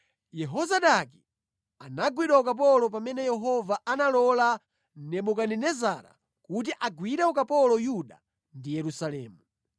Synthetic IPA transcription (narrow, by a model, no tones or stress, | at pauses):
jɛɦɔzaɗaki | anaɡwiɗaɔkap̬ɔlɔp̬amɛnɛjɛɦɔvaʔanalɔla | n̩nɛɓɔkaninɛzaɾa̰ | kut̬iʔaɡwiɾɛɔkapɔlɔjuɗa | ndijɛɾusalɛːmu